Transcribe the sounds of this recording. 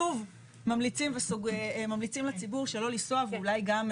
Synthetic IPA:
uv | mamlit͡simvesuɡemamlit͡simlet͡sibuʁʃelo̞lisoavulajɡam

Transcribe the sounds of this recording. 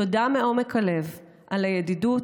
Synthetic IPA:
odameomekʰale̞v | ʔalajadidu

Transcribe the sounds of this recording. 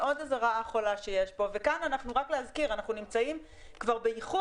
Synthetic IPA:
ʔo̞dazaʁaaχo̞laʃejeʃbo̞vekananaχnuʁakleazkiʁanaχnunimt͡saim | kvaʁbeiχu

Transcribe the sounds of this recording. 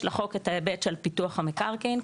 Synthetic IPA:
laχo̞ketaebetʃelpituaχhamekaʁkin

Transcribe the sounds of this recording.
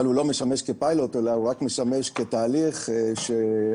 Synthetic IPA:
alulo̞meʃameʃkepajlo̞t̪e̞lauʁakme̞ʃame̞ʃke̞t̪aːliχʃe

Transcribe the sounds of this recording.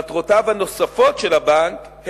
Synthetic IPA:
tʁotavhano̞safo̞tʃelabank | h

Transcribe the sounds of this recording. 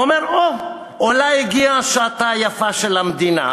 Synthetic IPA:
omeʁo | olaiɡiaʃaat̪ajafaʃelhamd̪ina̰

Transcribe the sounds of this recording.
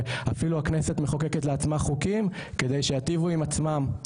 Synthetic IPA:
afiluakneset̪meχokeket̪leat͡smaχukimke̞d̪e̞jʃejat̪ivuimat͡smam

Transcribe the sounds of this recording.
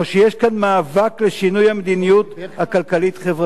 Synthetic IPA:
oʃejeʃkanmaːvakleʃinujamed̪inijut̪hakalkalit̪χevʁa

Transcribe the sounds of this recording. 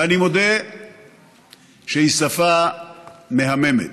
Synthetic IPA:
animo̞d̪e | ʃeisafa | me̞ɦame̞mḛt̪

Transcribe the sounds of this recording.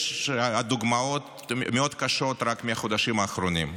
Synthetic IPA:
ʃad̪oɡmao̞t̪ | meo̞d̪kaʃo̞t̪ɾakmeaχod̪aʃimaːχɾonim

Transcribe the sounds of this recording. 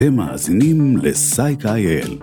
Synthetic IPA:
ema̰ːzinimlesajkajel

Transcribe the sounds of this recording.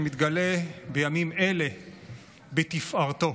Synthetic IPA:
mit̪ɡale̞bejamime̞le̞ | bet̪ifʔaʁt̪o̞

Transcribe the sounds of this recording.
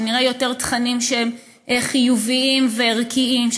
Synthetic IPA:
niʁajo̞te̞ʁt̪χanimʃeem | ʔeχijuviimveʁkʰiimʃ

